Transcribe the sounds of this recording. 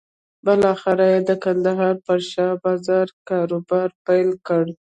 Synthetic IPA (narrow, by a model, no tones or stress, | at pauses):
bəlɑxɪɾajed̪əkand̪aɦɑɾpəɾʃɑbɑzɑɾkɑɾobɑɾpajlkəɽ